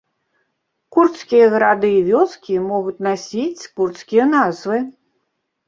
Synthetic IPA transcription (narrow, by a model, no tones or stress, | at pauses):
kurt̪skʲijɐɣɐɾad̪ɨːvʲɔskʲimɔɣut̪ʲnasʲit͡sʲkurt̪skʲijɐnazvɨ